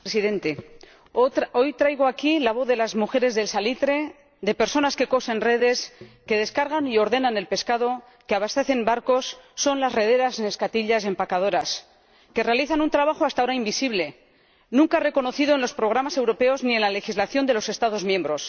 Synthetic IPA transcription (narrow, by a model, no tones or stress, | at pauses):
pɾesiðe̞nt̪e̞ | o̞jt̪ɾajɣ̞oakilaβo̞θðe̞lazmuxe̞ɾe̞zðe̞lsalit̪ɾe̞ | ðe̞pe̞ɾso̞naske̞ko̞se̞nre̞ðe̞ske̞ðe̞skaɾɣanio̞ɾðe̞nane̞lpe̞skaðo̞ | keaβast̪e̞θe̞mbaɾko̞sːo̞nlazre̞ðe̞ɾasne̞skat̪iʎas̬e̞mpakað̞o̞ɾas | ke̞re̞aliθanunt̪ɾaβ̞axoast̪ao̞ɾaimbisiβle̞ | nũŋkare̞ko̞no̞θið̞oe̞nlo̞spɾo̞ɣ̞ɾamase̞wɾo̞pe̞o̞znie̞nlale̞xizlaθjo̞nd̪e̞lo̞se̞st̪að̞o̞zmjẽ̞mbɾo̞s